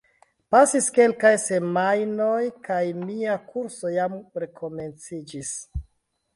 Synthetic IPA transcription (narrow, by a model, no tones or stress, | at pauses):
pasiske̞lkajse̞majno̞jkajmiakuɾso̞jamɾe̞kʰo̞me̞nt͡sid͡ʒis